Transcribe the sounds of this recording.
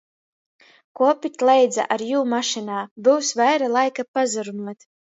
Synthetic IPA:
kuɔpit̪ʲlˠɛjd̪za̰ʔaɾjuːmaʃinaːbuwsvajɾalˠajkapazuɾumuɔt̪

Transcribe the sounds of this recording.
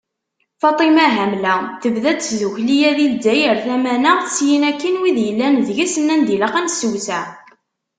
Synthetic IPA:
fɑt̪ˤimæɦæmlæθəvðæd̪sðuçlijæðild̪ːæjəɾθæmænəθsjinækːinwiðjəlːænðʝisənːænd̪iləqænsəwsæ

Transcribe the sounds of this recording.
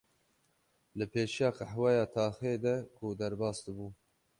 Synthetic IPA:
lɨpʰeːʃijɑːqaħwɛjɑːt̪ʰɑːxeːd̪ɛkʰʊd̪ɛɾbɑːsd̪ɨbuː

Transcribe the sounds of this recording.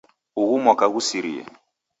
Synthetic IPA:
uɣumɔkaɣusiɾḭɛ̰

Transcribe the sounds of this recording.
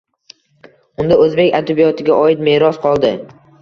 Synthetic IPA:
ʊnd̪aɵzbe̞kʲad̪abijɒt̪ʰɪɡʲaʔɒɪt̪meːɾɒsqʰɒlˠd̪ɪ

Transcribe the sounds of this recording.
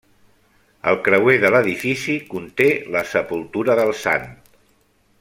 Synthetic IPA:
əlˠkɾəweðələðifisikunt̪eləsəpulˠt̪uɾəðəlˠsa̰nt

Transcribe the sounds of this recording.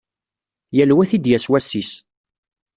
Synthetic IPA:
jælwæθid̪jæswæsːis

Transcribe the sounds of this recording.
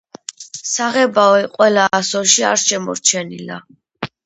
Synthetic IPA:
saʁɛbaɔɛqʼwɛlaːsɔʃiaɾʃɛmɔ̰ɾt͡ʃʰɛnila̰

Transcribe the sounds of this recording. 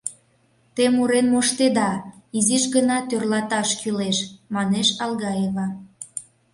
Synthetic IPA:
t̪emuɾenmoʃt̪ed̪ɑiziʃɣənɑt̪ørlɑt̪ɑʃkyleʃmɑneʃɑlɣɑjeβɑ

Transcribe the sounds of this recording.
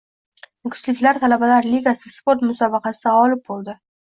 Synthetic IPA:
kʲʰʊ̥slɪkʲlaɾt̪ʰalabalaɾliɡʲasɪspoɾt̪mʊsɒbɑqɑsɪd̪aɒlɪp̚bolˠd̪ɪ

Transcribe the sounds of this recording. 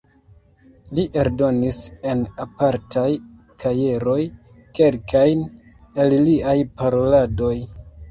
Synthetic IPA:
liʔe̞ɾdo̞nise̞napaɾtʰaj | kʰaje̞ɾo̞j | ke̞lkʰajn | elliajpaɾo̞lado̞j

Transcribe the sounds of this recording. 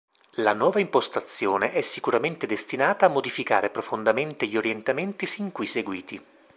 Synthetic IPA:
lanwɔːvaimpost̪at̪sːjoːneʔɛsːikuɾament̪ed̪est̪inaːt̪aːmːod̪ifika̰ːɾepɾofond̪ament̪eʎioɾjent̪ament̪isiŋkujseɡwiːt̪i

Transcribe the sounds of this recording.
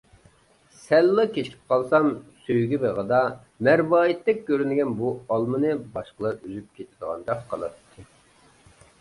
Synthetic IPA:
sɛlːɨkʲʰet͡ʃʰkʰʲi̥p̚qʰɑlˠsɑmsøjɡʲibeʁəd̪ɑ | mæɾbɑːjit̪ːɪk̚ʲkʲøɾynɪɡʲɛnbuɑlˠmɨnɨbɑʃqəlˠɑɾyzyp̚kʲʰet̪ʰɪd̪əʁɑ̰nd̪ɑqqʰɑlˠɑ̰t̪t̪ʰːɨ

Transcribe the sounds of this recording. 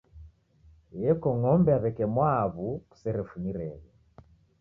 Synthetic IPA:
jɛkɔŋɔmbɛaβɛkɛmwaβuku̥sɛɾɛfuniɾɛɣɛ

